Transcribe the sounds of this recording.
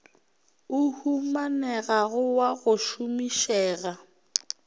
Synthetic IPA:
ʊhumanɛɣaɣʊwaɣʊʃʊmiʃɛːɣa

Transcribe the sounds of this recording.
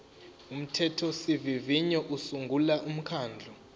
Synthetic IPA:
um̩tʰɛtʰɔsiviviɲɔʔusuŋɡʱulaʔum̩kʰaːnd͡ɮʱɔ

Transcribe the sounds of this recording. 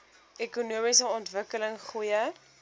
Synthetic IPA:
ekunuəmisəɔntvəkələŋχujə

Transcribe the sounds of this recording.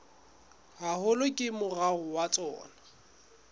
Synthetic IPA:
hahʊlʊkʼɪmʊraɣʊwat͡sʼɔ̰ːna

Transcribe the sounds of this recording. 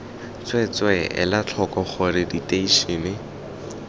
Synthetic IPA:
t͡swɛt͡swɛɪ̰lat͡ɬʰɔkɔχʊrɪditʼeiʃiːnɪ

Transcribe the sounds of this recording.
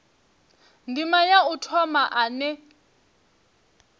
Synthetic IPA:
ndimajautʰɔmaʔanɛ

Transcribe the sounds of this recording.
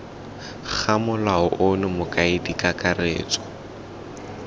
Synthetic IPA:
k͡xʰamʊlaʊʔʊnʊmʊkʼaɪdikʼakʼarḛːt͡sʼɔ̥

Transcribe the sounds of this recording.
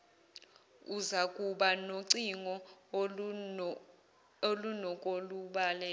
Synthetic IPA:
uzakʼuɓanoǀiŋɔ | olunɔkʼoluɓalɛː

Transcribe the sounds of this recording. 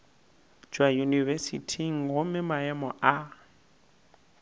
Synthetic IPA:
d͡ʒwajunivɛsḭtʰiŋ̩ɦʊmɪmaɛmɔʔa

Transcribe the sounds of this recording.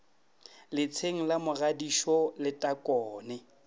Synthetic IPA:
lɪt͡sʰeŋ̩lamʊɣadiʃɔlɪtʼakʼɔːnɛ

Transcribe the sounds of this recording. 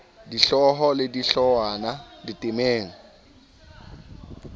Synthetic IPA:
diɬɔɦɔlɪdiɬɔwanaditʼɪmeːŋ̩

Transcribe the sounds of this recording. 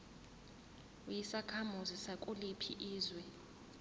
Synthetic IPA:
jisakʰamuzisakʼulipʰḭʔiːzwɛ

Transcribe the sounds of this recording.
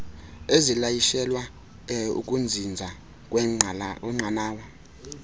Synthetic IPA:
ezilajiʃɛlwa | ṵk̬ʼund͡zʱind͡zʱa | k̬ʼ | ɛŋ͡ǀʱanaːwa

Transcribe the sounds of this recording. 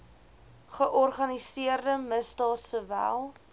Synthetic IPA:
χəʔɔrχɐnisiərdəməsdɑːtsəvæ̰lˠ

